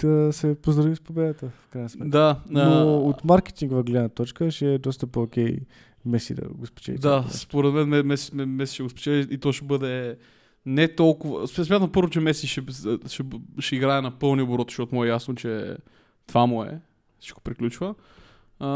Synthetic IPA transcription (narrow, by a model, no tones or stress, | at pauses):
d̪̥ɐsɛpozd̪ɾɐvispobɛd̪ət̪əfkɾaɪnəsmɛd̪anoot̪maɾkɛ̥t̪iŋɡvɐɡlɛd̪nət̪ɔt͡ʃkəʃɛɛd̪ɔst̪əpookʲɛj | mɛsḭd̪ɐ̰ɡospi̥t͡ʃɛ̰litd̪aspoɾɛd̪mɛnmɛmɛsɛmɛsi̥ʃɛɡʊspɛ̥t͡ʃɛlit̪ɔʃɛbɤd̪ɛ | nɛt̪ɔlˠkʊvə̰sɛsmʲat̪̬əmpɤɾvot͡ʃɛmɛsiʃɛʃɛʃɛiɡɾaɛnɐpɤlˠniboɾɔt̪ʃɔt̪ʊmuɛjasnot͡ʃɛ | t̪vamʊɛ̰ | si̥t͡ʃko̥pɾiklʲut͡ʃvə